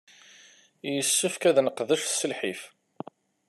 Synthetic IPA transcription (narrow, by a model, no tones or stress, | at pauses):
jəsːəfkæðnəqðəʃθsəlħif